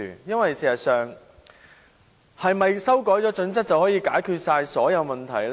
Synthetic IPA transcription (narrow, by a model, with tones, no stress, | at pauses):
jɐ˥nwɐ˨jsiː˨˩ɐ˨t̚sœː˨ŋ | hɐ˨jmɐ˨jsɐ˥wkɔː˨˥jt͡sɔː˨˥t͡sɵ˨˥nt͡sɐ˥k̚t͡sɐ˨whɔː˨˥jiː˧kaː˨˥jkʰyː˧t̚saː˧jsɔː˨˥jɐ˨˧wmɐ˨nt̪ʰɐ̰˨˩jl